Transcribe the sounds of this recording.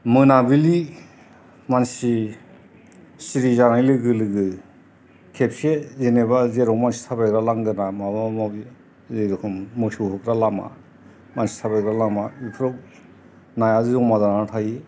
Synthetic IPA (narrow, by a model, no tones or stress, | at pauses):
mɯnabili | mansi | siɾizaɾajlɯɡɯlɯɡɯ | kʰep̚sezenebazeɾɔkmansi̥tʰabajɡɾalaŋɡɯnamabamaɡi | zeɾkʰɯmːɯsuɦɯkɾalama̰ | mansi̥tʰabajkɾalamaipʰɾɔ | najazɯzɔŋmadanatʰaji